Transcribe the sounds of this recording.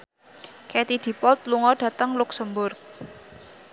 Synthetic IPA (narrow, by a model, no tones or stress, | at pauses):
kɛt̪id̪̥i̤pɔlt̪̚luŋɔɖ̥ä̤t̪əŋlʊksəmbʊrk̚